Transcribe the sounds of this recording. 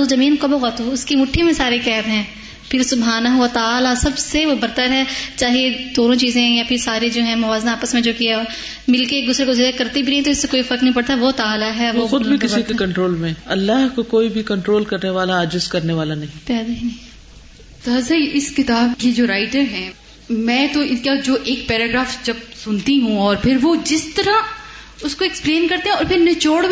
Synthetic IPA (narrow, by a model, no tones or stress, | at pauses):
ozɐmĩːnkobɐɣɐt̪uʊskimʊʈʰːimẽsaːɾekɛːbɦɛ̃ː | pʰɪɾsʊbɦaːnɐɦʊʋɐt̪aːlasɐbseʋobɐɾt̪əɾɦɛːt͡ʃaːɦied̪̥oːnõt͡ʃiːzẽjapʰɪɾsaːɾed͡ʒoːɦɛ̃mɐʋaːznaaːpəsmẽd͡ʒoːkiaɔːɾ | mɪlkeːk̚d̪ʊːsɾekoziːakɐɾt̪ibʱinɐɦĩt̪oɪsːekoːifɐɾknɐɦĩpɐɽt̪aɦɛʋot̪aːlaɦɛʋoxʊd̪bʱikɪsikekɐ̃ɳʈɾoːlmẽɐlːaɦkokoːibʱikɐ̃ɳʈɾoːlkɐɾneʋaːlaɐd͡ʒɪzkɐɾneʋaːlanɐɦĩpɛːd̪eɦinĩ | t̪aːzaiʔɪskɪt̪aːbkid͡ʒoːɾaːɪʈəɾɦɛ̃ː | mɛ̃ːt̪oɪnkad͡ʒoːʔeːk̚pɛːɾaːɡɾaːfd͡ʒɐb̚sʊnt̪iɦũɔːɾpʰɪɾʋod͡ʒɪst̪ɐɾa | ʊskoekspleːnkɐɾt̪ẽɦɛ̃ɔːɾpʰɪɾnɐt͡ʃoːɽ